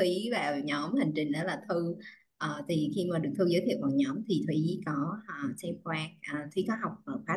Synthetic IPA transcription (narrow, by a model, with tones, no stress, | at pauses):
t̪ʰwi˨˦vaː˨˩wɲɔ˨˦mha˨˩ŋ̟t͡ɕï˨˩ŋ̟ʔaː˨˦laː˨˩t̪ʰɨ˧ | ʔəː˨˩t̪ʰi˨˩xi˧maː˨˩ɗɨ˨˩ək̚t̪ʰɨ˧zəː˨˦jt̪ʰi˧˨əwvaː˨˩wɲɔ˨˦mt̪ʰi˨˩t̪ʰwi˨˦kɔ˨˦əː˨˩sɛ˧mkwaː˧nʔəː˨˩t̪ʰwi˨˦kɔ˨˦ɦa˨˩wk͡p̚vəː˨˩xwaː˦˥